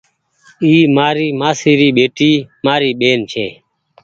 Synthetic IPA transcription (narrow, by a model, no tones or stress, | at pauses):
iːmaːɾiːmaːsiːɾiːɓeːʈiːmaːɾiːɓeːnt͡ʃʰeː